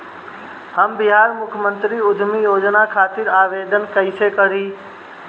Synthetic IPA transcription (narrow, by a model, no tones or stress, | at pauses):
həmbiɦaɾmukʰəmənt̪ɾiud̪ʱmijod͡ʒnakʰat̪iɾaʋed̪ənkəɪsekəɾi